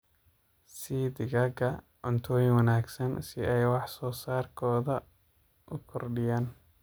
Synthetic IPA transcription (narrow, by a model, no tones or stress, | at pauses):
sid̪ɪɡɐɡɐ | ʕʊnt̪ʰɔːjɪŋwɐnaːɡsɐnsɪɛjwɑħsɔːsaːrkʰɔːðɐ | ʔʊkʰɔrɖɪjaːn